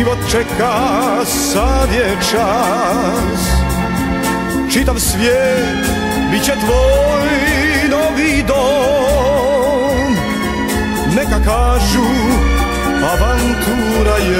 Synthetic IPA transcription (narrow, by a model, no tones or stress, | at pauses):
ivɔt̪̚t͡ʃɛka | savʲjɛ | t͡ʂa | s | t͡ʂit̪amsvʲjɛ | t̪ | bit͡ɕɛt̪vɔj | nɔvid̪ɔ | m | nɛkakaʐu | avant̪u | ɾajɛ